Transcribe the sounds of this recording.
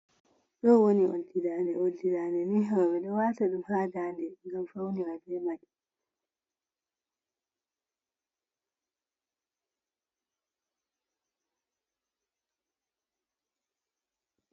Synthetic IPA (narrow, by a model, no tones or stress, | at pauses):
ɗɔwoniʔo̰lːidaːnɛodːidaːnɛniɦaɾamɛɗɔwaːtaɗumhaːdandɛŋɡamfawniɾabɛmaɗi